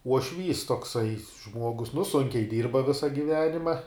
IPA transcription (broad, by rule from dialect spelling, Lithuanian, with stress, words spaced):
uɔˈʃʲʋʲiːs toːkˈsɐɪ ˈʒmuɔɡʊs nʊ ˈsʊŋʲkʲɛɪ ˈdʲiːrbɐ ˈʋʲɪsɐ ɡʲɪˈʋʲæːnʲɪmɐ